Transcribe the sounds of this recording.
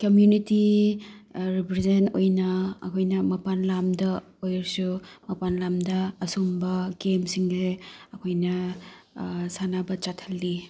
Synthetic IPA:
kɐmjuniti | ɾipɾezentojnɐ̰ːkʰojnɐmɐpanlamdɐ | ojɾsumɐpanlamdɐːsombɐɡemsiŋseɐkʰojnɐ | sanabɐt͡ʃatʰɐlːi

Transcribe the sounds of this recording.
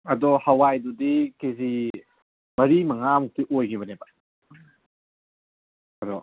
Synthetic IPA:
ɐdɔhawajdudikezi | mɐɾimɐŋamuk̚tiʔojɡibɐneba | ɐdɔ

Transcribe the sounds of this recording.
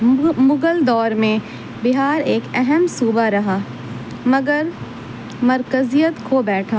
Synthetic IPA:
mʊɡəld̪ɔːɾmẽ | bɪɦaːɾeːkɛɦəmsuːbaɾɐɦaː | mɐɡəɾ | mɐɾkəzijət̪kʰoːbɛːʈʰaː

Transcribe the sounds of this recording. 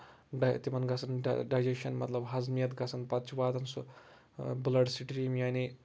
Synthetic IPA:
ɖat̪imɐnɡɐsɐnɖ̰ɖajd͡ʒekʃɐnmɐ̰t̪lɐbɦɐzmijɐt̪ɡɐsɐnpɐtt͡ʃuʋaːd̪ɐnsu | blɐɖsiʈɾiːmjaːni

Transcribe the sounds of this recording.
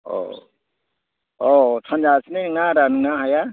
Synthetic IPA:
ɔ̰ | ɔsʰand͡ʒasneŋaɾanuŋaɦaja

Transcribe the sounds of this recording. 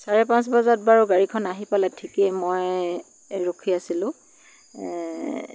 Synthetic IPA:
saɹɛpãnsbɔzat̚baɹɔɡaɹikʰɔnaɦipalɛtʰikɛmɔj | ɹokʰiasilʊ̃

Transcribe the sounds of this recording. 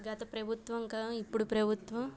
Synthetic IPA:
ɡɐt̪ɐpɾɐbʱut̪ʋɐŋkaipːuɽupɾɐbʱut̪ʋɐm

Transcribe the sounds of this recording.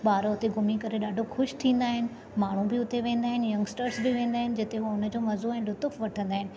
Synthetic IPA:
ɓaːɾoʊt̪eɡʱʊmikɐɾeɗaːɖʱoxʊʃt̪ʰĩːn̆d̪aːɦɪnɪ̆ | maːɳ̤ũbɪʊt̪eʋẽːn̆d̪aːɦɪnɪjɐ̃ŋɡsʈəɾsbɪʋẽːn̆d̪aːɦɪnɪd͡ʑɪt̪eɦuʊnə̆d͡ʑoːmɐzoɛ̃ːlʊt̪ʊfʋɐʈʰə̃nd̪aːɦɪnɪ̆

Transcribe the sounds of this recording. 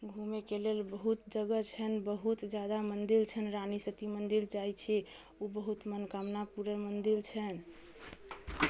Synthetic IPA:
ɡʱumekelelbəɦut̪d͡ʒəɡət͡ʃʰɛnbəɦut̪d͡ʒad̪amənd̪ilt͡ʃʰənɾanisət̪imənd̪ild͡ʒajt͡ʃʰɛ | obəɦut̪mənkamnapuɾəmənd̪ilt͡ʃʰɛn

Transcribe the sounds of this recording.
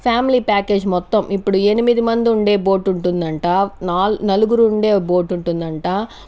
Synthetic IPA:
pʰjaːmiliːpaːke̞ːd͡ʒmɔt̪ːɐmʔipːuɽuenimid̪imɐnd̪iuɳɖe̞ːbo̞ːʈuɳʈund̪ɐɳʈaːnaːlnɐluɡuɾuːɳɖe̞ːbo̞ːʈuɳʈund̪ɐɳʈaː

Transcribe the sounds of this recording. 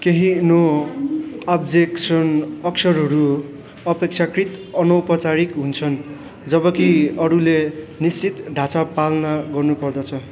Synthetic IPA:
keɦino | abd͡zeksʌnʌksʌɾɦʌɾu | ʌpek̚t͡sʰakrit̪ʌnʌwpʌt͡saɾikɦunt͡sʰʌn | d͡zʌbʌkiʌɾulenist͡sit̪ɖʱat͡sapalnaɡʌrnupʌrd̪ʌt͡sʰʌ

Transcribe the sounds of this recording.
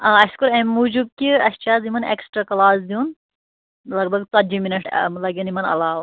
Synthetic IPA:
ɐ̃ːɐskuɾemːud͡ʒub̚kiɐʃt͡ʃʰaːzimɐnḛksʈɾakɐlaːsd̪iun | lɐɡ̚bɐɡt͡sɐd͡ʒiminɐʈʰlɐɡɐnimɐnɐ̰laːw

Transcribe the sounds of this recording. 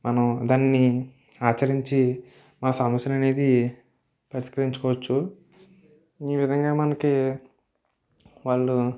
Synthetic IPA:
mʔɐnɐmd̪aːnːi | aːt͡ʃɐɾiɲt͡ʃi | maːsɐmɐsjɐnɐne̞ːd̪i | pɐɾiʃkɐɾiɲt͡ʃu̥kɔːʋɐt͡ʃːu | iːʋid̪ʱɐŋɡaːmɐnɐki | ʋaːɭːu

